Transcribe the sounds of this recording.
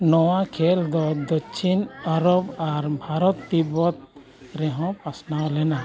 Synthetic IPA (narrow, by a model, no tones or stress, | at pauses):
nɔwakʰɛld̪ɔd̪ɔt͡ʃʰinaɾɔbaɾbʱaɾɔt̪ːibɔt̪̚ | ɾɛɦɔ̃pasnawlɛna